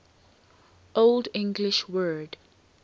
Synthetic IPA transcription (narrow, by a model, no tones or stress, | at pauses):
ʔoldɪ̃ŋɡliʃwɜːd